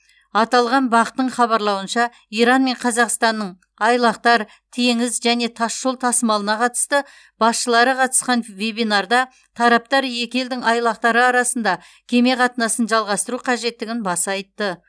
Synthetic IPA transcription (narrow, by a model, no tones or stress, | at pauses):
ɑt̪ɑlˠʁɑnbɑqə̥t̪ːəɴχɑβɑɾlˠɑwənʃɑ | ijɾɑnme̞ɴqʰɑzɑqst̪ɑnːəɴ | ɑjlˠɑqt̪ɑɾ | t̪ʰeŋɪzʒæne̞t̪ʰɑʃʃolˠt̪ʰɑsəmɑlˠənɑqɑt̪ə̥st̪ə | b̥ɑsʃəlˠɑɾəqʰɑt̪ə̥sqɑnve̞bijnɑɾd̪ɑ | t̪ʰɑɾɑp̚t̪ɑɾje̞kʲe̞ld̪ɪŋɑjlˠɑqt̪ɑɾəɑɾɑsənd̪ɑ | kʲʰe̞me̞qʰɑt̪ənɑsənʒɑlˠʁɑst̪əɾuqʰɑʒe̞t̪ːɪɡʲɪnbɑsɑjt̪ːə